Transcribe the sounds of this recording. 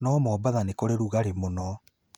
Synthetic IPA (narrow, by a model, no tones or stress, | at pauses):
nɔmɔbaðanekoɾeɾuɣaɾemonɔ